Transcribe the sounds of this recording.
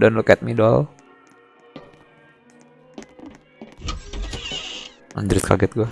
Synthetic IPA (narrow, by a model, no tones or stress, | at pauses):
danlokɛt̪̚midɔl | a̰ɲd͡ʒɾɪt̪̚kʰa̰ɡɛt̪̚ɡua